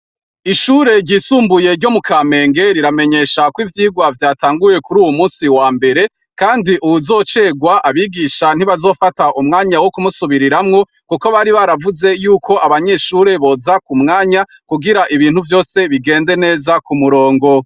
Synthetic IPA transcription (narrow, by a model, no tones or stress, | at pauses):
iʃuːɾe̞ɾɟiːsuːmbuje̞ɾɟo̞mukaːme̞ːŋɡe̞ɾiɾame̞ɲe̞ʃakwivjiːɡwavjaːtaːŋɡuje̞kuɾuːwumuːnsiwaːmbe̞ɾe̞ | kaːndiʔuwuzo̞ːt͡ʃe̞ɡwaʔaβiɡiʃan̥iβazo̞ːfataʔumŋaːɲawokumusuβiɾiɾamŋo̞ | kuko̞βaɾiβaɾavuze̞juːko̞ʔaβaɲe̞ʃuɾe̞βo̞ːzakumŋaːɲa | kuɡiɾaʔiβiːnhuvjo̞ːse̞βiɡe̞ːnde̞ne̞ːzakumuɾo̞ːŋɡo̞